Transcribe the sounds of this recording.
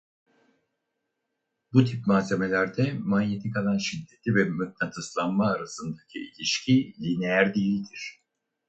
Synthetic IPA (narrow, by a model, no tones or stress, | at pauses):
but̪ʰip̚maːze̞me̞lʲæɾd̪ɛmanjet̪ʰikalˠanʃid̪ːe̞t̪ʰʲivɛmøt̪̚nat̪ʰɯslˠanmaːɾasɯnd̪acʰiilʲiʃcʰilʲinejæɾd̪ijilʲd̪iɾ̥